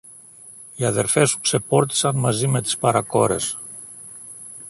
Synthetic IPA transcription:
iaðeɾfesu̥ksepɔɾt̪i̥sanmazimet̪spaɾakɔɾḛs

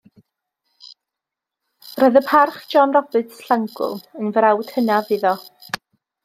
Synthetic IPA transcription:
rɔːɨðəpʰarχd͡ʒ̥ɔnrɔbɨtsɬaŋɡʊ̰lˠənvəɾawd̥hənaviðɔ

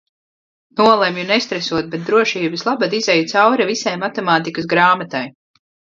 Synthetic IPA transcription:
nuɔlˠemjunɛst̪ɾɛsuɔt̪̚bɛt̪̚d̪ɾuɔʃiːbɨslˠabad̪izɛjut̪sawɾɛvisɛjmat̪ɛmaːt̪ikɨsɡɾaːmat̪aj

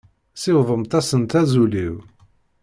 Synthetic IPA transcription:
sɪwðˤəmt̪æsənt̪æzuliw

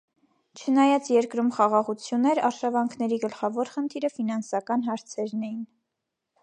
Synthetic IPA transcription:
t͡ʃʰənɑjɑt͡sjɛɾkɾumχɑʁɑʁut͡sʰjunːɛɾɑɾʃɑvɑŋkʰnɛɾiɡəlχɑvɔɾχənt̪ʰiɾəfinɑnsɑkɑnɦɑɾt͡sʰɛɾnɛjin

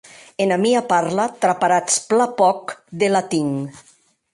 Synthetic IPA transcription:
enamiapaɾlat̪ɾapaɾat͡splapɔkd̪elat̪iŋ

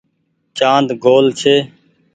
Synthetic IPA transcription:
t͡ʃãːnd̪ɡoːlt͡ʃʰeː

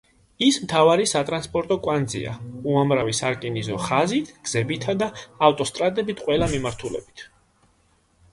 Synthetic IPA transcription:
ismt̪ʰavaɾisat̪ʼɾanspʼɔɾt̪ʼɔkʼwand̪zḭa̰uamɾavisaɾkʼinizɔχazit̪ʰɡ̥z̥ɛbit̪ʰad̪aːft̪ʼɔst̪ʼɾat̪ʼɛbit̪ʰqʼwɛlamimaɾt̪ʰulɛ̰bit̪ʰ

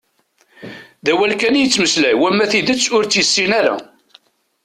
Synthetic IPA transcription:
ðæwælkænjət͡sːməslæwæmːæθiðət͡sːʊɾt͡sːjəsːinæɾæ̰

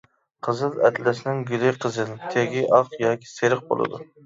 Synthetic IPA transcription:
qʰəzɨlˠɛ̰t̪lɪsɪnɪŋɡʲylɪjqʰəzɨlt̪ʰeɡʲiʔɑqjɑːkʲʰi̥seɾəq̚bo̰lˠɨ̰d̪ṵ

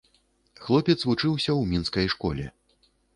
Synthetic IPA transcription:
xlˠɔpʲɛt̪svut͡ʂɨwsʲɐwmʲinskɐjʂkɔ̰lʲɛ̰

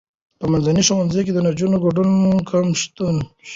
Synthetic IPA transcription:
pəmanzaniʃowanzejk̬ed̪ənad͡ʒunoɡoɖunkʰamʃt̪un

